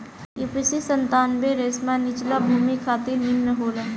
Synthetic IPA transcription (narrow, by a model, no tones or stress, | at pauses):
jupisisənt̪aːnbeɾeːsmãnɪt͡ʃlabʱuːmikʰaːt̪iɾnɪnːəɦoːlə